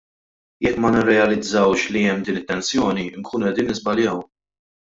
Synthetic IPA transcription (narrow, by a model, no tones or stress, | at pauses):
jɛkːmɐnɪrːɛɐlɪd͡zːɐwʃliɛmːd̪iːnɪt̪ːɛnsjɔːniɪŋkʰuːnuɛd̪iːnːɪzbɐljɐw